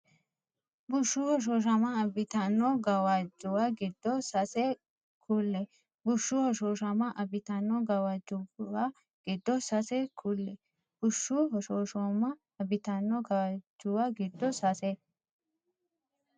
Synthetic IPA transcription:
bʊʃːuhɔʃ̬oʃ̬ɐmɐɐbɪt̪ɐnːɔɡɐwɐd͡ʒːʊwaɡɪd̪ːɔsɐsɛ | kʰulːɛ | bʊʃːʊhɔʃoʃɐmɐʔɐbɪt̪ɐnːɔɡɐwɐd͡ʒːʊwa | ɡ̥ɪd̪ːɔsɐsɛkʰʊlːɛ | b̥ʊʃːuhɔʃoːʃomɐ | ɐbɪt̪ɐnːɔɡɐwɐd͡ʒʊwaɡɪd̪ːɔsɐsɛ

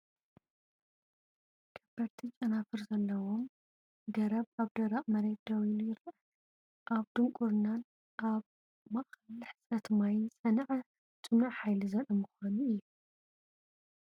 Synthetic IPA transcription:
ɡ̥ʰɐb̥ɐɾt̪ʰit͡ʃʼɐnafɨɾzɐlːɐwom | ɡɐɾɐβaβd̪ɐɾɐʔʼmɐɾet̪̚d̪ɐwilujɪɾɐ | ʔaβd̪ɨŋkʼuɾnan | ʔaβ | maχɐlɨħɨ̥sʼɐt̪majnsʼɐnʕɐ | t͡ʃʼɨnuʕħajlizɐɾʼɐmɨxʷanuɨjːu

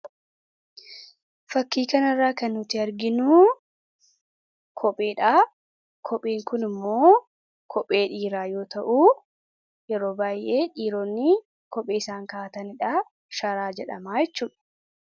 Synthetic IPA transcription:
fɐkːiːkɐnɐrːaːkɐnːʊt̪ɪɐɾɡɪnuː | kʰɔpʼːeːᶑaː | kʰɔpʼːeːŋkʊnɪmːoː | kʰɔpʼːe̞ːᶑiːɾaːjo̞ːt̪ɐʔuː | jɛɾo̞ːbaːjʔe̞ːᶑiːɾoːnːɪ | kɔpʼːeːɪsaːŋkaːt̪ɐnɪᶑaː | ʃɐɾaːd͡ʒɛᶑɐ̰maːjɛt͡ʃːuːᶑɐ̥

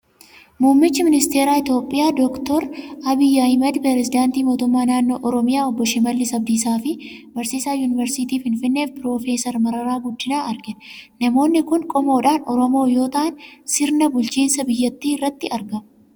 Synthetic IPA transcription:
muːmːɪt͡ʃːɪmɪnɪst̪e̞ːɾaːɪt̪jo̞ːpʼːɪjaːd̪ɔkt̪ɔɾɐbɪjːahɪmɐd̪pɛɾɛzɪd̪aːnt̪iːmo̞ːt̪ʊmːaːnaːnːo̞ːʔɔɾɔmɪjaːɔbːɔʃɪmɐlːɪsɐb̚d̪iːsaːfɪ | bɐɾsiːsaːjuːnɪvɛɾsɪt̪iːfɪnfɪnːeːfpɪɾo̞ːfe̞ːsɐɾmɐɾɐɾaːɡʊd̪ːɪnaːʔɐɾɡɪnnɐmo̞ːnːɪkʊŋkʼɔmo̞ːᶑaːnɔɾɔmo̞ːjo̞ːt̪ɐʔɐnsɪɾnɐbʊlt͡ʃiːnsɐbɪjːɐt̪ːiːɪrːɐt̪ːɪʔɐɾɡɐm

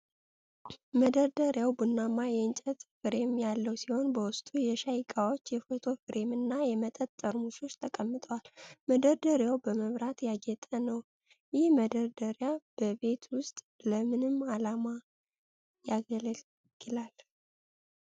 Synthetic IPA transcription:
məd̪əɾd̪əɾjawbɨnːamːajɛɨnt͡ʃʼət̪fɨɾe̞mjalːəwsiho̞nbəwʊst̪ʼujɛʃajkʼawo̞t͡ʃːjɛfət̪ʰo̞fɨɾʔe̞mɨnːajɛmət̪ʼət̪ʼːəɾmuʃo̞t͡ʃːt̪ʰəkʼəmːɨt̪ʼəwalməd̪əɾd̪əɾjawbəməmɾat̪jaɡɛt̪ʼənəw | jɪhməd̪əɾd̪əɾjab̥əbe̞t̪ʰwʊst̪ʼləmɨnɨmːalama | jaɡl | ɡ̥ɨlal

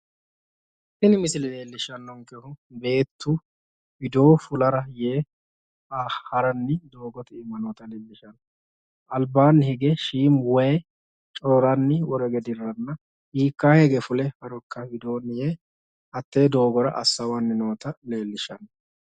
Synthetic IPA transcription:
sɪnɪmɪsɪlɪle̞ːlːɪʃɐnːɔŋkɛhʊbe̞ːt̪ːʊ | hɪd̪o̞ːfʊlɐɾɐjeː | ahɐɾɐnːɪd̪oːɡɔt̪ɪɪmːɐnoːt̪ɐleːlːɪʃɐnɔ | ʔɐlbaːnːhɪɡɛʃiːmwɛjɛ | t͡ʃʼɔːɾɐnːɪwɔɾɛɡɛd̪ɪɾːɐnːɐ | hiːkːaːheɡɛfʊlɛhɐɾɔkːɐhɪd̪o̞ːnɪjeː | hɐt̪ːeːd̪o̞ːɡɔɾɐ̰ʔɐ̰sːɐwɐnːɪno̞ːt̪ɐleːlːɪʃɐnːɔ

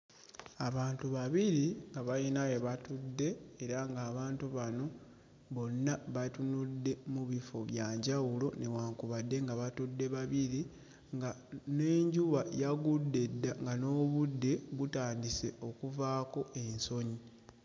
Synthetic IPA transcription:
aβaːntuβaβiɾiŋɡaβajinajeβatudːe̞ːɾaŋɡaːβaːntuβano̞ | βo̞nːaβatunudːe̞muβifo̞βjaːɲɟawulo̞newaːŋkuβadːe̞ŋɡaβatudːe̞βaβiɾi | ŋɡane̞ːɲɟuβajaɡudːe̞dːaŋɡano̞ːβudːe̞βutaːndise̞o̞kuvaːko̞ʔe̞nso̞ɲi

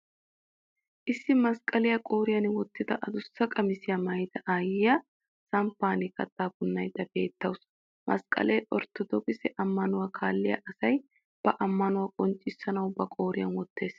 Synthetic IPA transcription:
ʔɪsːɪmɐskʼɐlɪjɐkʼo̞ːɾɪjɐnwɔt̪ːɪd̪ɐʔɐd̪ʊsːɐkʼɐmɪsɪjɐmɐjd̪ɐʔaːjɪjɐ | sɐmpːaːnɪkɐt̪ʼːaːbʊnːɐjd̪ɐbe̞̰ːt̪ːɐws | mʔɐ̰skʼɐ̰leːʔɔɾt̪ːɔd̪ɔkʼɪsɛʔɐmːɐnʊwaːkʰaːlːɪjɐ̰ʔɐsɐj | b̥ɐʔɐmːɐnʊwakʼɔnt͡ʃʼːɪsːɐnɐwbɐkʼo̞ːɾɪjɐnwɔt̪ːe̞ːs

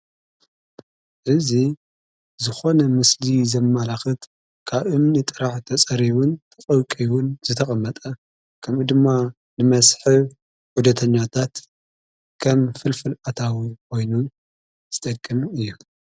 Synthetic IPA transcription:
ʔɨzi | zɨxo̞nɐmɨslizɐmːalaxɨt̪ | kʰaβʔɨnːɨt̪ʼɨɾaħt̪ʰɐt͡sʼɐɾiwʊnt̪ʰɐχʼɐwkʼiwʊnzɨt̪ʰɐχʼɐmːɐt̪ʼɐ | kʰɐmɨd̪ɨmːa | nɨmɐsħɨβ | ħud̪ɐt̪ʰɐɲːat̪ʰat̪ | kʰɐmfɨlfɨlʔat̪ʰawikʰo̞jnu | z̥ɨt̪ʼɐkʼːɐmɨjːu

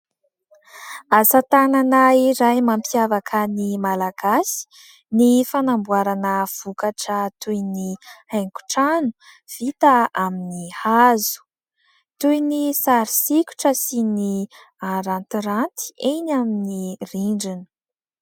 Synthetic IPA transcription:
asat̪ananaiɾajmampiavakʰənimalaɡasi̥ | nifanambuaɾanəv̥ukaʈ͡ʂət̪ujnihaŋku̥ʈ͡ʂanu̥ | v̥it̪aaminihazu̥ | t̪ujnisaɾisiku̥ʈ͡ʂəsini | aɾant̪iɾant̪i̥enaminiriɳɖ͡ʐini̥

